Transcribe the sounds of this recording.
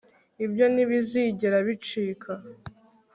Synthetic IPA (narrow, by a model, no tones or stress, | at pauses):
ibjo̞niβiziːɟeɾaβit͡ʃiːkʰa